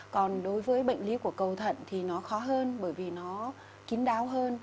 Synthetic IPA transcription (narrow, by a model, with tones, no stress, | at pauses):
kɔ˨˩nɗo˨˦jvəː˨˦jɓə̰˧˨jŋ̟li˨˦ku˧˩əkə˨˩wt̪ʰə̰˧˨nt̪ʰi˨˩nɔ˨˦xɔ˨˦ɦəː˧nɓəː˧˩jvi˨˩nɔ˨˦ | ki˨˦ŋɗaː˨˦wɦəː˧n